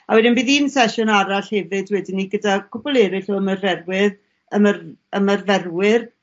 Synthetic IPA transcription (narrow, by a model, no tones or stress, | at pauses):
awɛdɪnbiːðiːnsɛʃʊnaɾaɬhɛvɨdwɛdɪniɡədakʰʊbɔlˠɛɾɪɬoəmərvɛrwɪð | əmərəmərvɛrwɪr